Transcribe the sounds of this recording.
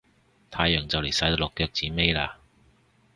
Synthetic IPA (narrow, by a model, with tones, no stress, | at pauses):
t̪ʰaː˧jːœː˨˩ŋt͡sɐ˨wle˨˩jsɐ˨˥j̪lɔː˨kːœː˧k̚t͡siː˨˥me˥jla̰ː˧